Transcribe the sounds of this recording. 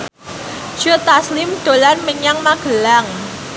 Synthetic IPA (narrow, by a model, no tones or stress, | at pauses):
d͡ʒ̥ʊt̪aslɪmɖ̥o̤lanməɲaŋmaɡ̥əlaŋ